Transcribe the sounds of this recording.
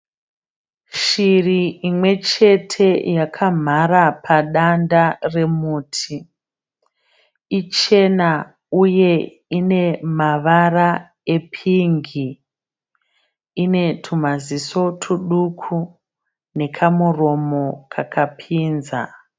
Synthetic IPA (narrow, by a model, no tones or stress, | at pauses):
ʃiriimwe̞t͡ʃe̞tʰe̞jakʰam̤aɾapʰaɗandare̞muːtʰi | it͡ʃe̞na | uje̞ | ine̞maʋara | e̞pʰiŋɡi | ine̞tʰum̤aziso̞tʰuɗukʰu | ne̞kʰamuro̞mo̞kʰakapʰiːnza̰